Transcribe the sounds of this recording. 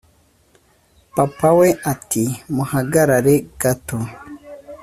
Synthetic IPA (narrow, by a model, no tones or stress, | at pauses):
papaweʔatimuhaɡaɾaɾeɡatu